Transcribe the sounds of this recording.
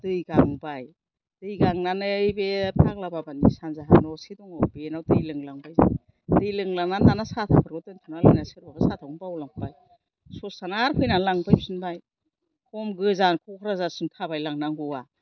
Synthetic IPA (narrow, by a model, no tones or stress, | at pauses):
d̥ɯjɡaŋbaj | d̥ɯjɡaŋnanɯɯjbepʰaklababanḭsanzaɦa̰nɔsidɔŋabenawdɯjlɯŋlaŋbajza̰j | dɯjlɯŋlaŋnandanasatʰakʰaɾɡɯtɯntʰunalɯ̰jnasɯɾbabasatʰawunbawlaŋpʰpaj | sɔsanaɾpʰɯjnalaŋpajpsɯnbaj | kɔmɡɯzankʰɔkʰɾazasɯntʰabajlaŋnaŋɡua